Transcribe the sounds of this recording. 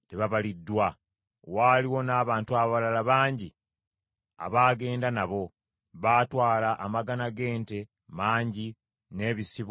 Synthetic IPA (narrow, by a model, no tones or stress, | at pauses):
teβaβalidːwa | waːliwo̞naːβaːntuaβaβalalaβaːɲɟi | a̰βaːɡe̞ːndanaβo̞ | βaːtwaːlaʔːmaɡanaɡe̞ːnte̞ | maːɲɟi | ne̞ːβisiβ